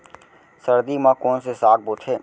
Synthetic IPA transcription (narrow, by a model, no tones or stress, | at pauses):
səɾd̪imãːkoːnsesaːk̚bʊt̪ʰeː